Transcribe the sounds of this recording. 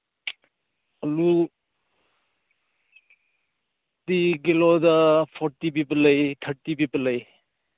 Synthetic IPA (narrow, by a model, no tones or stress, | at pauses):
ɐlu | tiɡilɔdapʰɔɾtibibɐlɐjt̪ʰɐɾtibibɐlɐj